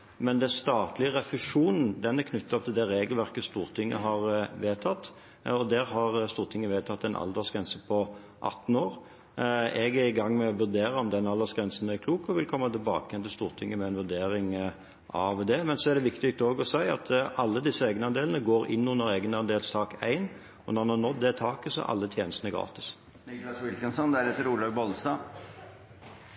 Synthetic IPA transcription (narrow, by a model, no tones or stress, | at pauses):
mɛnd̪ɛnst̪ɑːt̪lɪəʁɛfɪʂuːnn̩d̪ɛnækʰnʏt̪ːɑt̪ʰɪld̪ɛɾeːɡəlʋæʁkəst̪uːɾt̪ʰɪŋːə̰ɦɑʁʋeːt̪ʰɑt̪ː | ɔd̪æɾhɑʁst̪uːʁt̪ʰɪŋːəʋeːt̪ʰɑt̪ːɛnʔɑ̰ld̪ɑsɡʁɛnsəpʰɔ | ʔɑ̰t̪ːn̩oːɾ | ʔɛɡæɾɪɡɑŋːmɛɔʋʉʁd̪eːɾəɔmd̪ɛnɑld̪əsɡɾɛnsn̩ɛɾkʰluːkɔʋɪlkʰɔmːɑt̪ʰɪlbɑ̰ːkəjɛnt̪ɪlst̪uːʁt̪ʰɪŋːəmɛɛnʋʉd̪eːɾɪŋ | ʔɑʋd̪ɛmɛnsɔæʁd̪ɛʋɪkt̪ɪk̚t̪oːɡɔsæɪɑ̰t̪ɑlːəd̪ɪsːəeːɡnəɑnd̪eːln̩əɡoːɾɪ̰nːʊnːəɾeːɡənɑnd̪eːlst̪ʰɑːkæ̰ɪn | ɔnɔnhɑʁnɔt̪̚d̪ɛt̪ʰɑːkəsɔ̰ʔɑ̰lːət̪ʰjeːnəst̪ənəɡɾɑ̰ːt̪ɪ̥s | nɪklɑsʋɪlkənsɔnd̪æɾɛt̪ːəɾuːd̪ɑːɡ̚bɔlst̪ɑː